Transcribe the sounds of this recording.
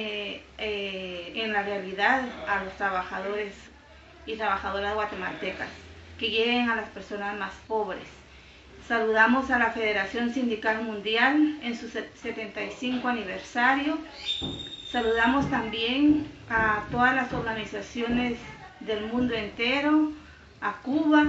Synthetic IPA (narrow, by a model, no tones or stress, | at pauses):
enlarealiðaðalost̪ɾaβaxaðoɾes | it̪ɾaβaxaðoɾazeɣwat̪emat̪eka̰s | kejeɣeŋalaspeɾso̞nazmaspo̞βɾḛsː | aluðamosalafeðeɾasjo̞nsind̪ikalmũnd̪jalensuset̪ent̪ajsiŋkoaniβeɾsaɾjo | saluðamost̪ambjeŋat̪o̞ðazlasoɾɣanisasjonez | ðelmũnd̪oent̪eɾo | akuβa